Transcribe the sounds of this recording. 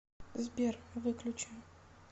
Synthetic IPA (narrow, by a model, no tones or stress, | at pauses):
zbʲervɨklʲʊt͡ɕɪn